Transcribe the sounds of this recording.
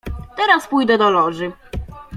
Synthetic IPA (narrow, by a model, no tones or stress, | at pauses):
t̪ɛɾaspujd̪ɛd̪ɔlɔʐɘ